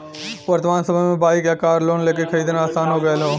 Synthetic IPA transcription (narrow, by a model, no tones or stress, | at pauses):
ʋɐɾt̪əmaːnsəməjmẽbaːikjakaːɾloːnleːk̬ekʰɐɾiːd̪enaːsaːnɦoːɡəlɦoː